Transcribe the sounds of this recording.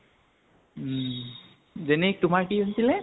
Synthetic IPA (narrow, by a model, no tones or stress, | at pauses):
zɛnɛk̚tʊmaɹkionsilɛ